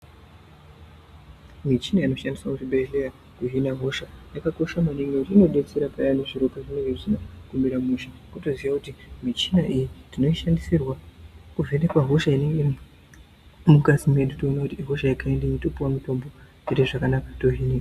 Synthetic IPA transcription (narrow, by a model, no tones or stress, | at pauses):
mit͡ʃinaino̞ʃandiswakutibeɮeja | kuɦinaɦoʃajakako̞ʃamaniŋwekutiino̞ɗe̞t͡se̞ɾapajanoʐiɾo̞kaʐine̞ŋɡeʐinakumbiɾamuʃikoto̞ziʋakutimit͡ʃinaʔijitino̞iʃandisirwakuve̞ne̞kwaɦo̞ʃaine̞ŋɡe̞ | mukazimuwe̞ɗutoonakutiɦoʃajakaendainitopuwamuto̞mbo̞ | t͡ʃeɾeʐakanakatoɦini